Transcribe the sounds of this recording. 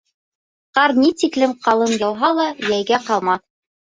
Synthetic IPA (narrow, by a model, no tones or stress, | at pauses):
qɑɾnit̪iklɘmqɑlˠɤnjɤ̆w̪ˠɦɑlˠɑjæjɡæqɑlˠmɑ